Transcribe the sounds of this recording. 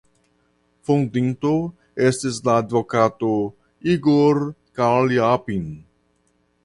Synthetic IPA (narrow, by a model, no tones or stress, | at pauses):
fõnd̪ĩnt̪o | est̪esd̪aːd̪vokat̪o | iɡoɾkaɾliapin